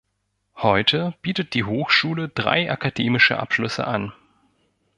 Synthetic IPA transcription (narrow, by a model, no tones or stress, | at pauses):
hɔʏtʰəb̥iːtət̚d̥iːɦoːxʃuːlədʁa̰ɪʔakadeːmɪʃə̰ʔa̰pʃlʏsə̰ʔa̰n